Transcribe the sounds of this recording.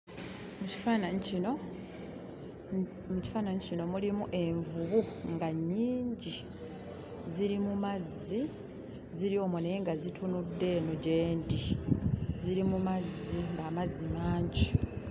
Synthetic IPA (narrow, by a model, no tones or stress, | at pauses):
muci̥fanaino | muci̥faːnaɲicino̞mulimuʔe̞ɱvuβuŋɡaɲːiːɲɟi | ziɾimumazːi | ziɾio̞ːmoneeŋɡazitʰunudːe̞ːno̞ɟe̞ːndi | ziɾimumazːiŋɡaːmazːimaːɲɟi